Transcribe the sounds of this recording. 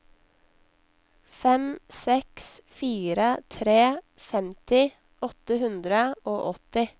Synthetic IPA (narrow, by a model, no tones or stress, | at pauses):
fɛmsɛksfiːɾət̪ʰɾeː | fɛmt̪ɪ | ʔɔt̪əhʉnd̪ɾəoːʔɔt̪ɪ